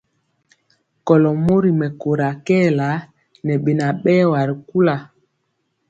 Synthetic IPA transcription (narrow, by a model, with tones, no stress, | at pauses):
kɔ˨lɔ˨mo˦ɾi˨mɛ˨ko˨ɾa˨kɛː˦˨la˨˦ | nɛ˨ɓe˨na˨ɓɛ˦wa˨ɾi˨ku˦la˨